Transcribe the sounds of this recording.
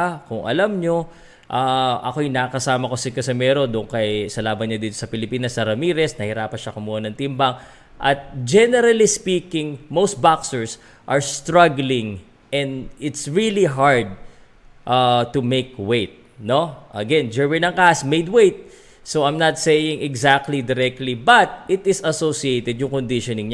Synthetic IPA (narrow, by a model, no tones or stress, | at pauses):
kʊŋʔɐ̰lamɲo | ʔaʔɐ̰kojnakɐsaːmɐko̞sɪkɐsɐmɛɾo̞d̪ʊʔʊŋkɐjsɐlaːbɐnɲad̪iːt̪o̥sɐpɪlɪpiːnɐsɐɾɐmiːɾɛsnɐhɪɾaːpɐʃɐkʊmuːhɐnɐŋt̪ɪmbɐŋ | ʔɐt̪̚d͡ʒɛnɛɾɐlispiːkɪ̃ŋmowst̪̚baksɛɹs | ʔɐɹst̪ɹɐɡlɪ̃ŋ | ʔɛ̃nd̪ɪt̪sɹiliɦaɹd̪̚ | ʔɐt̪umejkwejt̪̚ | noʔɐɡɛnd͡ʒɛɹmɪnɐŋkasmejd̪̚wejt̪̚ | soɐjmnɐt̪sejɪŋɛɡzak̚t̪lid̪ɪɾɛk̚t̪libɐt̪̚ɪt̪ɪsɐsosiejt̪ɛd̪jʊŋkond̪ɪʃonɪŋɲa